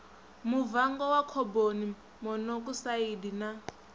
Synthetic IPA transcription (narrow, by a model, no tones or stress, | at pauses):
muvaŋɡɔwakʰɔboni | mɔnɔk̬usaidina